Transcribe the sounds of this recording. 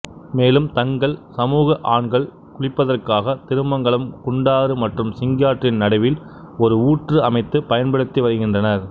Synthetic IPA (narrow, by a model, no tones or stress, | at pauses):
meːlɯmt̪ɐŋɡɐɭsɐmuːɣɐʔaːɳɡɐɭ | kʊɻɪpːɐðɐrkaːɣɐt̪ɪɾɯmbɐŋɡɐɭɯmkʊɳɖaːɾɯmɐʈrɯmsɪŋɡɪjaːʈrɪnnɐɽɐʋɪl | ɔɾɯuːʈrɯɐmɐɪt̪ːɯpɐjɐnpɐɽɯt̪ːiʋɐɾɯɣɪndrɐnɐɾ